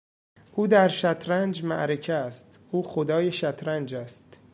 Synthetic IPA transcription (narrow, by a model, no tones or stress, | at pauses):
ʔuːd̪æɾʃæt̪ʰɾænd͡ʒmæ̰ʔɾe̞cʰæst̪ʔuːxod̪ɒːjeʃæt̪ʰɾænd͡ʒæst̪